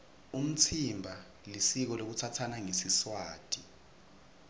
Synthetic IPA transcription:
um̩t͡sʰimbʱa | lisik̬ɔlok̬ut͡sʰatʰanaŋesiswaːd̥ʱʼi

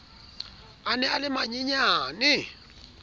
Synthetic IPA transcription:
anɛalɪmaɲiɲaːnɪ

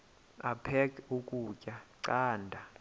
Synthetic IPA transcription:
apʰɛkʰʼukʼuːcʼaǀaːndʱa

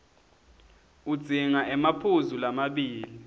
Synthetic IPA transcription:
ud̥d͡z̥ʱiŋaʔɛmapʰuzulamaɓiːli

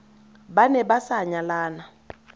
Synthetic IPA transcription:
ɓanɛɓasaɲalaːna

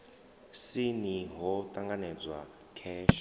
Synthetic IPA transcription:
siniɦɔt̪ʼaŋɡanɛd͡zwa̰ | kʰɛːʃa

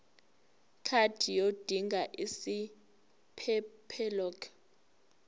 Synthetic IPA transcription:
kʰad̥ʰʱijod̥ʱiŋɡʱaʔisi | pʰɛpʰɛlɔːkʰ

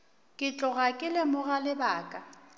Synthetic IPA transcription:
kʼɪt͡ɬʼɔɣakʼɪlɪmʊɣalɪbaːkʼa

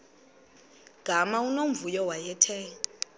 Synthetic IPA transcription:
ɡ̥ʱamaunom̩vujɔwajɛtʰɛːŋ

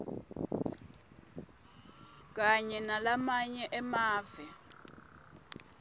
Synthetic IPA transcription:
k̬aɲɛnalamaɲɛʔɛmaːvɛ

